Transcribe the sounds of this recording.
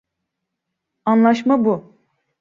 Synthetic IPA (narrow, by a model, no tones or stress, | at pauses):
anlˠaʃmabu